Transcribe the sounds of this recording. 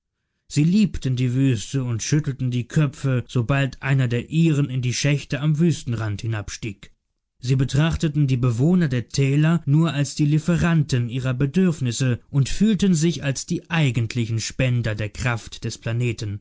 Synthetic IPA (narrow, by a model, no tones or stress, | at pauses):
z̥iːliːptən̩diːvyːstəʊntʃʏtl̩tn̩diːkʰœpp͡fəz̥obaltʔaɪnɐdeːɐʔiːʁ̞ənɪndiːʃɛçtəamvyːstn̩ʁanthɪnapʃtiːk | z̥iːbətʁ̥aχtətn̩diːbəvoːnɐdeːɐtʰɛːlɐnuːɐalsd̥iːlifəʁantənʔiːʁɐbədʏɐfnɪsəʔʊntfyːltənzɪçalsd̥iːʔaɪɡntʰlɪçn̩ʃpɛndɐdeːɐkʁ̥aftd̥ɛspl̥aneːtən̩